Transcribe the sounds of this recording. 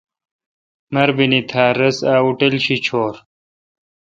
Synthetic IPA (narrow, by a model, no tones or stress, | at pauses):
mɐɾbinit̪ʰaːɾɐsaːuʈelɕit͡ɕʰoːɾ